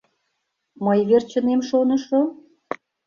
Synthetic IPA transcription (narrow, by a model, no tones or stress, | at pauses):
məjβert͡ɕə̆nemʃonəʃo